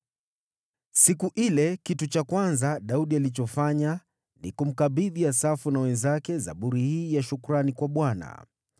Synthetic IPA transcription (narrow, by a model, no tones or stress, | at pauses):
sikuʔilɛkitut͡ʃakwanzaɗauɗialit͡ʃɔfaɲa | nḭkum̩kaɓiðiasafunawɛnzakɛza̰ɓuɾihiːjaʃukuɾanikwaɓwana̰